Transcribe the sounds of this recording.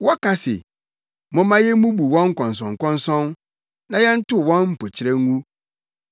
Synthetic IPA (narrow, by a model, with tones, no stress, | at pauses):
wɔ˦ka˦sɪ̰˨ | mɔ̃˦mã˦jɛ˦mũ˦bu˨wɔ̃˦ŋ̩˦kɔ̃˨n˨s̬ɔ̃˨ŋ˨kɔ̃˦n˦sɔ̃˦n | nã˦jɛ˦n̩˦tʊ˦wɔ̃˦nm̩˨po˨t͡ɕʰɪ˨˦ɾɛ˦ŋ˦ŋũ˦